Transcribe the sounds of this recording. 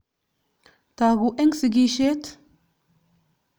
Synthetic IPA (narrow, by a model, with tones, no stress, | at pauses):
t̪aɣuʔɛ˦ŋsiɡi˦ʃe˦t̪